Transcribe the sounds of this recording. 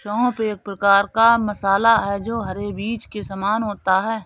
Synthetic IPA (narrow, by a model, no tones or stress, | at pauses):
ʃɔ̃ːpeːk̚pɾəkaːɾkamɐsaːlaɦɛd͡ʒoːɦɐɾebiːt͡ʃkesaːmaːnɦoːt̪aɦɛː